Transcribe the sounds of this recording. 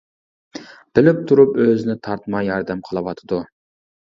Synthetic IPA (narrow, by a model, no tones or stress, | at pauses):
b̥ɪlɪp̚t̪ʰuɾupøzɪnɪt̪ʰɑɾt̪mɑjɑɾd̪ɛmqʰəlˠɨwɑt̪ʰɨd̪u